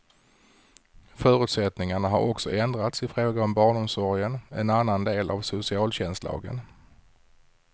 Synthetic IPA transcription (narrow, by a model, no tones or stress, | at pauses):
fœːɾɵ̟t̪sɛt̪nɪŋaɳaɦaɾɔksɔ̰ʔɛnd̪ɾat̪sɪfɾoːɡaɔmbɑːɳʊmsɔɾɪənɛnanːand̪eːlʔa̰vsʊsɪɑːlɕɛnst̪lɑ̰ːɡə̰n